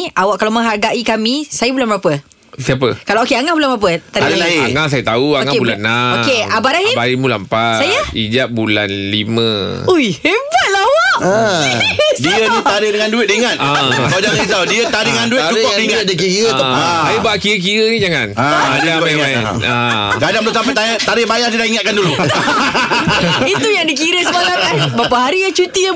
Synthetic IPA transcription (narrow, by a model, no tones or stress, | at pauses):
awaʔkalawmə̃ŋɦarɡaʔikamĩsajəbulanbəɾapə | siap̬əkalawokeaŋahbulanbəɾap̬ət̪adiiaaŋaʔs̬ajət̪auaŋaebulanːaokeabaʔaɦibaɾimulampasajəid͡ʒaʔ̚bula̰nlimə̃ | ujhebat̪̚lawaʔ | diənit̪aɾɪhdəŋanduɪt̪̚iiŋat̪ʔakaod͡ʒaŋisawdiət̪aɾɪŋandutt͡ʃukɔiadikiəəsajibaʔkiɾək̬iɾənĩd͡ʒaŋanaadabaa̰ | a̰ | kadaŋbəlos̬ampajt̪ajət̪aɾɪhbajat̪idaiŋat̪̚kandulu | it̪ujaŋdikiɾəsəmalaabapaɦaɾijat͡ʃut̪iə